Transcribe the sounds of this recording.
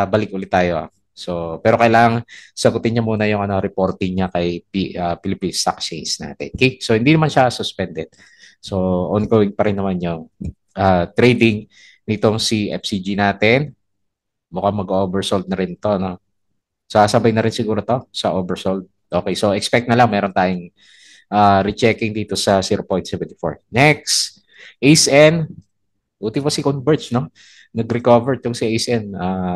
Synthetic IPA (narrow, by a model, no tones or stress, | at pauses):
bɐlɪk̚ʔʊlɪt̪ːaːjo̞ʔa̰ | so̞pɛːɾo̞kɐjlaːŋɐŋsɐɡʊt̪ɪnɲːɐmuːnɐjʊŋʔɐnoɾɛpo̞ɾt̪ɪŋɲakɐjpiɐpɪlɪpinst̪a̰k̚t͡ʃejnsna̰ːt̪ɛ̰nkɛsohɪnd̪inɐmanʃasʊspɛnd̪ɛd̪̚ | so̞ʔonɡoːwɪŋpɐɾɪnːɐmanjʊŋ | ʔaːt̪ɾɛjd̪ɪŋ | nɪt̪o̞ŋsiʔɛ̰fsid͡ʒinaːt̪ɛn | mʊkaŋmɐɡoʔoːbɛɹsold̪̚nɐɾɪnt̪o̞ɐno̞ | saːsɐbajnɐɾɪnsɪɡuːɾot̪o̞sɐʔoːbɛɹsold̪̚ʔo̞ːkejso̞ʔɛkspɛk̚t̪nɐlaŋmɛːɾo̞nt̪aːjoŋ | ʔaːɾɪt͡ʃɛkɪŋd̪iːt̪o̞sɐsiːɾopo̞jnt̪sɛvɛnt̪ɪ̥fo̰ɹnɛks | ʔejsɛn | ʔuːt̪ɪpɐsɪkonbɛɹt͡ʃno̞ | nɐɡɾɛkoːvɛɹt̪ʊŋsiʔejsʔɛnaː